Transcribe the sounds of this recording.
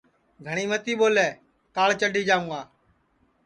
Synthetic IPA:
ɡʱəɳiːmət̪iːɓoːlɛː | kaːɭt͡ʃəɖʱiːd͡ʒaːʋũːaː

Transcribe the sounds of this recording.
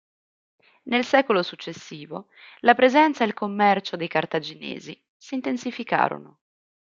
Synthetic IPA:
nelsɛːkolosut͡ʃːesːiːvo | lapɾezɛnt̪saelkomːɛrt͡ʃod̪ejkart̪ad͡ʒinḛːzi | siːnt̪ensifika̰ːɾo̰no̰

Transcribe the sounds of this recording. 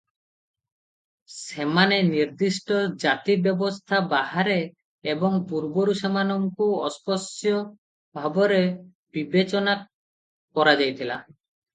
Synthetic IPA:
semaneniɾd̪isʈɔd͡ʒat̪ibjɔbɔst̪ʰabaɦaɾeː | bɔŋpuɾbɔɾusemanɔŋkuɔspɔsjɔ | bʱabɔɾe | b̥ibet͡ʃɔna | kɔɾad͡ʒajt̪ʰila

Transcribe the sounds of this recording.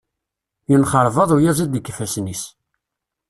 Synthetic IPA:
jənχəɾˤvɑðˤujæzæd̪ikːfæsnis

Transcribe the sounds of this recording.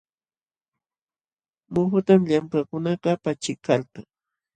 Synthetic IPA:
mʊxʊt̪amʎamkakʊnɑqɑpat͡ʃɪkalqaŋ

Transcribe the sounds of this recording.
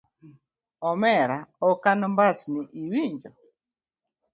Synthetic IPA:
ɔmɛɾaɔkanɔmbasniʔiwiɲd͡ʒɔ

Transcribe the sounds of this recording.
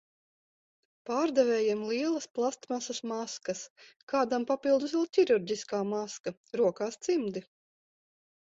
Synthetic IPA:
paːɾd̪ɛvʲɛːjamlˠiɛlˠɐsplˠast̪masɐsmaskɐskaːd̪ampapilˠd̪usɛlʲˠcʲiɾuɾdʲiskaːmaska | ɾuɔkaːst̪simd̪i

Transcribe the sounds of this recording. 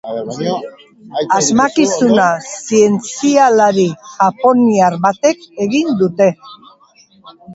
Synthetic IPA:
azmakisunasie̞nt͡sialaɾiʝapo̞niaɾβat̪e̞ke̞ɣind̪ut̪e̞

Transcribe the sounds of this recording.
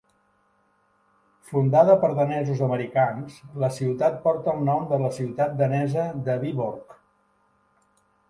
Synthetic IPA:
fund̪aðəpəɾðənɛzuzəməɾikansləsiwt̪at̪̚pɔɾt̪əːlˠnɔmd̪ələsiwt̪at̪̚d̪ənɛzəd̪əβiβuɾk

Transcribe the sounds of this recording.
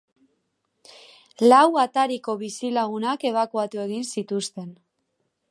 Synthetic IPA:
lawat̪aɾiko̞βisilaɣ̞unake̞β̞akuat̪ue̞ɣinsit̪ust̪e̞n

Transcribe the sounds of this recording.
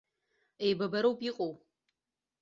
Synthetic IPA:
ejbɐbɐɾowpʼiqʼow

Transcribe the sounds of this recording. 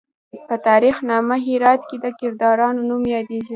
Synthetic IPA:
pət̪ɑɾixnɑməɦiɾɑt̪ked̪əkɪɾd̪ɑɾɑnonumjɑd̪eʒi

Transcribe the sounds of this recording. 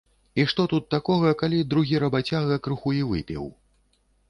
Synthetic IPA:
iʂt̪ɔt̪ut̪ːakɔɣɐkalʲid̪ɾuɣʲiɾɐbat͡sʲaɣɐkɾɨxuivɨ̰pʲḭw

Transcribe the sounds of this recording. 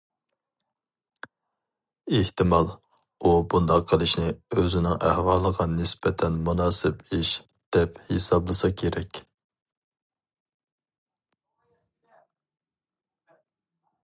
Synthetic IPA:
eht̪ʰɨmɑlˠ | ubund̪ɑqʰːəlˠɨʃnɪøzɪnɪŋæhwɑːlˠəʁɑnɪsbɛt̪ʰɛnmunɑːsɨbiʃ | d̪̥ɛphesɑblˠɨsɑkʲʰeɾɛkʲ

